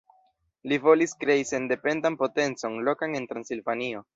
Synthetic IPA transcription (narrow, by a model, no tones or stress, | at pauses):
livo̞liskɾe̞ise̞nde̞pe̞ndanpo̞te̞nt͡so̞nlo̞kane̞ntɾansilvanio̞